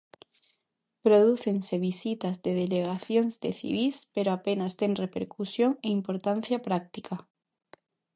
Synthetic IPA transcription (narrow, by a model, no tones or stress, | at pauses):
pɾo̞ðuθe̞nseβ̞isit̪azðeð̞eleɣaθjonzdḛθḭβispeɾoapenast̪eŋrepeɾkusjo̞ŋeimpoɾt̪an̟θjapɾak̚t̪ika